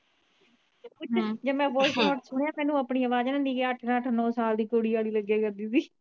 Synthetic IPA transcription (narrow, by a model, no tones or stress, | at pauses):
ʊd͡ʒeːmɛ̃ːʋoːsmɔːɾt̪sʊɽ̃ejaːmɛ̃ːnũːaːpɳiːəʋaːd͡ʒːnə̃ːniːkeːəʈʰnəʈʰnɔ̃ːsaːld̪iːkoːɽiːaːɽiːləɡːeːɡəɾd̪iːsiː